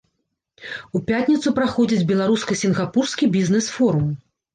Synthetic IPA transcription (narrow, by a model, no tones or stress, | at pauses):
upʲat̪ʲnʲit̪supɾaxɔd͡zʲid͡zʲbʲɛlˠaɾuskɐsʲinɣapurskʲibʲiznɛsfɔɾum